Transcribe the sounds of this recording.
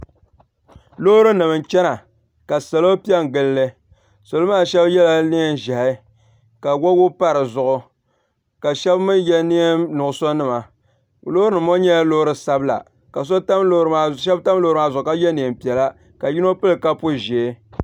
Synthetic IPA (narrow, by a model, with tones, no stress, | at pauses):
lo˦ɾɨ˦nɨ˨mɨ˨nt͡ʃɛ˦na˨ | ka˨sa˨lo˦pi˦ɛ˦ŋ˨ɡɨ˦lːɨ˦ | so˨lmaː˦˨ʃɛ˦bjɛ˦la˦ni˦ɛ˦n˨ʒa˨ha˨˦ | ka˨wo˦wʊ˦pa˦ɾɨ˨zʊ˨ʔʊ˨ | ka˨ʃɛ˦bmɨ˦njɛ˦ni˦e˦mnʊ˨ʔʊ˨so˦nɨ˦ma˨ | lo˦ɾɨ˦nɨ˨mo˦ɲɛ˦lo˦hɾɨ˦sa˦bla̰˨ | ka˨s̬o˦ta˦mlo˦ɾɨ˨˦ma˨ʃɛ˦bta˦m˦loː˦ɾɨ˦maː˦˨zʊ˨ʊ˨ka˦jɛ˦ne˨m˨pi˨ɛ˨la˦ | ka˨ji˦no˦pɨ˦lɨ˨ka˦pu˦ʒe˨˦